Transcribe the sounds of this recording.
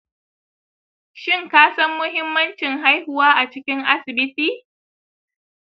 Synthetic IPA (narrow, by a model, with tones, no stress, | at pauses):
ʃɪ˦ŋkaː˦sɐ˦mːʊ˦hɪ˦mːɐ˦nt͡ʃɪ˨ŋɦa˦jhʊ˦waː˦ʔa˨t͡ʃɪ˦kʲɪ˦ŋʔa˦sɪ˨bɪ˦tiː˦